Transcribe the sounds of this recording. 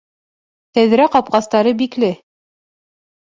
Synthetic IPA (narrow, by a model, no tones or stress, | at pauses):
t̪æð̆ɾæqɑp̚qɑst̪ɑɾɤbiklɘ